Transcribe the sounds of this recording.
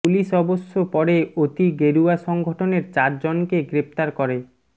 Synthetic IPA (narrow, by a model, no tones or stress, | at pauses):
puliʃɔbosːopɔɾeot̪iɡeɾuaʃɔŋɡʱoʈʰoneɾt͡ɕaɾd͡ʑonkeɡɾep̚t̪aɾkɔɾe